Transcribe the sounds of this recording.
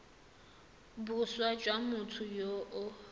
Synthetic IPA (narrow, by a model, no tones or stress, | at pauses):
buswad͡ʒʼwamʊtʰʊjoʔʊ